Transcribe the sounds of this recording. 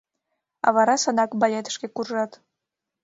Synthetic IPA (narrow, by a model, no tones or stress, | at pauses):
ɑ̰βɑɾɑsənɑkbɑlʲet̪ə̥ʃkekurʒɑt̪